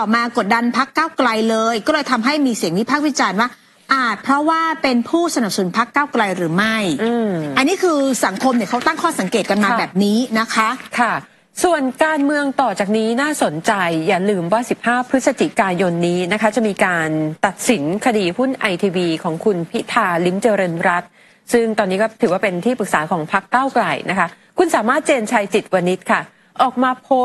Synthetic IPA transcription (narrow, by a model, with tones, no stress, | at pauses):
t̪ɔː˨˩maː˧ko˨˩t̪̚da˧npʰa˦˥kːaː˥˩wkla˧jlɤː˧jkɔː˥˩lɤː˧jt̪ʰa˧mɦa˥˩jmiː˧si˨˩˦əŋt̪ʰiː˥˩pʰaː˥˩k̚wi˦˥t͡ɕaː˧nwaː˥˩ | ʔaː˨˩t̪̚pʰɾɔ˦˥waː˥˩pe˧npʰuː˥˩sa˧na˨˩p̚sa˨nu˩˦npʰa˦˥kːaː˥˩wkla˧jɾɯː˩˦ma˥˩jʔɯː˧˩a˧nːiː˦˥˩kʰɯː˧sa˩˦ŋkʰo˧mni˧˩kʰa˦˥wt̪a˥˩ŋkʰɔː˥˩sa˩˦ŋkeː˨˩t̪̚ka˧nmaː˧bɛː˨˩p̚niː˦˥na˦˥kʰa˦˥kʰa˥˩ | su˨˩ənkaː˧nmɯ˧əŋt̪ɔː˨˩t͡ɕaː˨˩k̚niː˦˥naː˥˩so˩˦nt͡ɕa˧jːaː˨˩lɯː˧mwaː˥˩si˨˩p̚haː˥˩pʰɯ˦˥t̪̚sa˧t͡ɕʰi˦˩kaː˧jo˧nːiː˦˥na˦˥kʰa˦˥t͡ɕa˨˩miː˧kaː˧nt̪a˨˩t̪̚si˩˦nkʰa˧diː˧hu˥˩nʔa˧jt̪ʰiː˧wiː˧kʰɔː˩˦ŋkʰu˧npʰi˦˥t̪ʰaː˧li˦˥mt͡ɕeː˧ɾɤː˧nɾa˦˥t̪̚ | sɯ˥˩ŋt̪ɔː˧nːiː˦˥kɔː˥˩t̪ʰɯː˩˦waː˥˩pe˧nt̪ʰiː˥˩pɯ˨˩k̚saː˩˦kʰɔː˩˦ŋpʰa˦˥kːaː˥˩wkla˨˩jnʔa˦˥kʰa˦˥ | kʰu˧nsaː˩˦maː˥˩t̪̚t͡ɕeː˧nt͡ɕʰaː˧jt͡ɕi˨˩t̪̚wa˧ni˦˥t̪̚kʰa˥˩ | ʔɔː˨˩k̚maː˧pʰo˦˥